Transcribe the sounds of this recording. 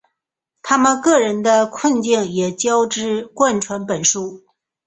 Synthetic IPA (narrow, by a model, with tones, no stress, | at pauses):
t̪ʰa˥mə˨nkɤ˥˩ɻə˧˥nd̪ə˧kʰwə˥˧nt͡ɕi˥˩ŋjɛ˨˩t͡ɕjɑ˥ʊʈ͡ʂɻ̩˥kwa˥˩nʈ͡ʂʰwa˧˥npə˨˩nʂu˥˩